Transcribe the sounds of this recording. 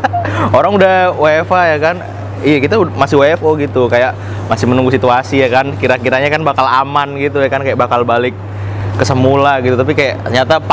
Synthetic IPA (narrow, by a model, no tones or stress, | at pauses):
oɾaŋudahwaefajakan | ijakit̪amasɪhwafoɡit̪ukajaʔ | masɪhmənuŋɡusit̪uasijakankiɾakiɾaɲakanbakala̰manɡit̪ujakankajaʔbakalbalɪk̚ː | əsəmulaɡit̪ut̪ap̬ikajaʔɲat̪ap